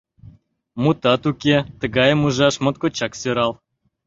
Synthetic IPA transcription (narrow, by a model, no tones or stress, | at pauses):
mut̪ɑt̪ukʲet̪ə̆ɣɑjəmuʒɑʃmŏt̪̚kot͡ɕɑksøɾɑlˠ